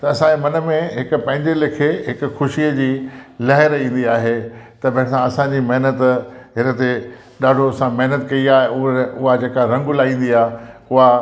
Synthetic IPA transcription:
t̪ɐɐsãd͡ʑemɐnə̆mẽɦɪkʊ̆pɐ̃ɦɪ̃ɲd͡ʑelɪkʰeɦɪkʊ̆xʊʃiəd͡ʑiːlɐɦɪɾĩːn̆d̪iaːɦet̪ɐbɐ̃ɦɪ̃sãɐsãd͡ʑiːmɐɦɪnət̪ɦɪnət̪e | ɗaːɖʱoɐsãmɐɦnət̪kɐiaːɦeʊʊɦad͡ʑeːkaɾɐ̃ŋɡʊlaːĩːn̆d̪iaːɦeʊɦa

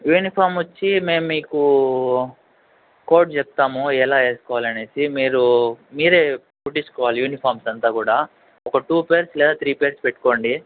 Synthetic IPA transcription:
juːnipʰaːɾmʋot͡ʃːime̞ːmːiːku | ko̞ːɾʈ̚t͡ʃep̚t̪aːmuɛlaːe̞ːskɔːʋaːlɐne̞ːsimiːɾumiːɾe̞ː | puʈːit͡ʃu̥kɔːʋaːlijuːnipʰaːɾmsɐnt̪aːkuːɽaː | ɔkɐʈuːpeːɾslɛːd̪aːt̪ʰɾiːpeːɾspeʈːu̥ko̞ːɳɖi

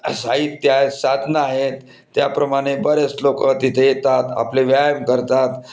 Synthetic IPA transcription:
saɦit̪ːjasad̪ʱnəaɦet̪ː | japɾəmaɽ̃ebəɾet͡slokət̪it̪ʰejet̪at̪a̰pleʋjajəmkəɾt̪at̪

